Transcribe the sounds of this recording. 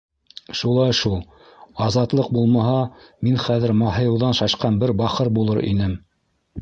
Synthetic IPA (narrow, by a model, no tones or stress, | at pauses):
ʃulˠɑjʃulˠ | ɑzɑt̪lˠɤq̚bulˠmɑɦɑminχæðɘ̆ɾmɑɦɤ̆jɤ̆wðɑnʃɑʃqɑnbɘɾbɑχɤɾbulˠɤɾʔḭnɘm